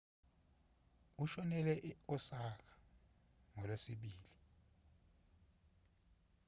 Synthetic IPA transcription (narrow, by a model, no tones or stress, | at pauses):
uʃɔnɛlɛʔɔsak̬ḁ | ŋɔlwesiɓiːli